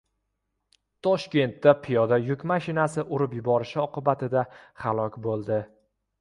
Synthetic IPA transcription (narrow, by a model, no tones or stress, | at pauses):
t̪ʰɒʃkʲe̞nt̪ːapʰɪjɒd̪ajʊkʲmaʃɪnasɪʔʊɾɪpjʊbɒɾɪʃɪɒqɨbat̪ɪd̪ahalˠɒkʲbolˠd̪ɪ